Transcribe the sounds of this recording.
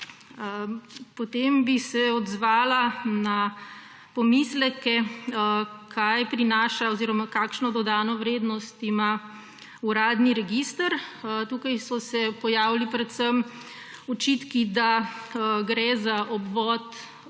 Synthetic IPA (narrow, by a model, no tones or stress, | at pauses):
pɔt̪embisɛɔd̪zʋaːlana | pɔmislɛkɛ | kʰajpɾinaːʃaɔziːɾɔmakaːkʃnɔd̪ɔd̪aːnɔʋɾeːd̪nɔst̪ima | uɾaːd̪niɾɛɡist̪əɾt̪uːkajsɔsɛpɔjaːwlipɾɛt̪səm | ɔt͡ʃit̪kid̪a | ɡɾɛzaʔɔbʋɔt̪